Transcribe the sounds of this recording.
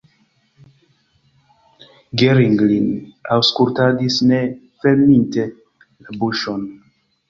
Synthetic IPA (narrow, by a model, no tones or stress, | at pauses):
ɡeɾiŋɡlina̰wskultadisne | felminte | labuʃon